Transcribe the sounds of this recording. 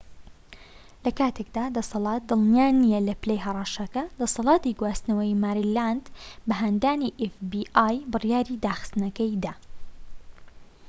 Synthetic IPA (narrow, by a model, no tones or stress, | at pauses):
lɐkaːt̪ʰek̚d̪aːd̪ɐsɑlˠɑːt̪̚d̪ɨlˠnijaːnijɐlɐplejɦɐrˤɑʃɐkɐd̪ɐsɑlˠɑːt̪iɡwaːst̪nɐwɐjmaːɾiland̪bɐɦand̪aːniʔefbiʔaːjbɨrjaːɾiːd̪aːxɨ̥st̪nɐkɐjd̪aː